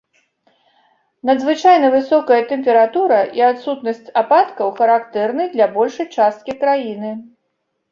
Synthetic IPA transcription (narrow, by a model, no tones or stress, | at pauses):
nɐd̪zvɨt͡ʂajnɐvɨsɔkɐjɐt̪ɛmpʲɛɾat̪uɾɐʔiat̪sut̪nɐsʲt͡sʲapat̪kɐwxɐɾakt̪ɛrnɨjd̪lʲabɔlʲʂɐjt͡ʂast̪̚kʲikɾajinɨ